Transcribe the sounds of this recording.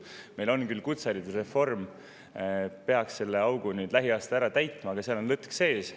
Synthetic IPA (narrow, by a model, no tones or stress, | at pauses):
me̞jlo̞nkylːkut̪sɑɾit̪usre̞fo̞rm | pe̞ɑksse̞lːe̞ɑwɡ̥unyːd̪̥læɦiɑːst̪ɑæɾɑt̪æjt̪ːˑmɑːɡ̥ɑseɑlo̞nlɤt̪ːˑkse̞ːs